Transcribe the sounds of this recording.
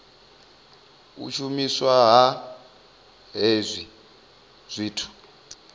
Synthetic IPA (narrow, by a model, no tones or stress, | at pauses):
ṵt͡ʃʰumiswaɦa | ɦezʷi | z̥ʷiːtʰu̥